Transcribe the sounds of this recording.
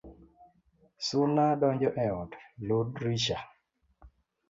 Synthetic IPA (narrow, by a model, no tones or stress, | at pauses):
sunaɗɔɲd͡ʒɔʔɛɔtlodɾiʃa